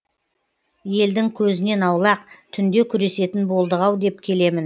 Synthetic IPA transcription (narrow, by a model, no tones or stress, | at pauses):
je̞ld̪ɪŋkʲʰɵzɪne̞nɑwlˠɑqt̪ʰʏnd̪e̞kʲʰʏɾe̞se̞t̪ɪnbo̞lˠd̪əʁɑwd̪e̞p̚kʲʰe̞le̞mɪn